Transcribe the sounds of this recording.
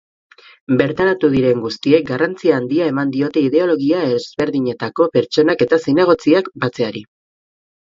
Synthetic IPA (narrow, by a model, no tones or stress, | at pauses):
be̞ɾt̪aɾat̪uðiɾe̞ŋɡust̪ie̞k̚ɡarant͡siaːnd̪iae̞mand̪io̞t̪e̞iðe̞o̞lo̞ɣ̞iaezβe̞ɾðiɲe̞t̪ako̞pe̞ɾt͡ʃo̞nake̞t̪asine̞ɣ̞o̞t͡siakbat͡se̞aɾi